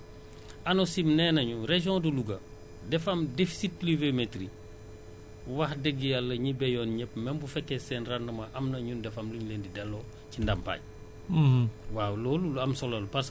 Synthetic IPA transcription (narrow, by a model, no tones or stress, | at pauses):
ʔɐnosimnɛnɐɲuɾeʒjɔ̃ːduluɡɐ | dɛfɐmdefi̥sit̚plivemetɾi | wɐxdɛɡijalːɐɲibɛjɔːnɲɛp̚mɛmbufɛkːɛsɛːnrandɐmɐʔɐmnɐɲundɛfɐmluɲleːndidɛlːɔ | cindɐmpa̰ːɟ̚ | waːwlɔːluɐmsɔlɔlupas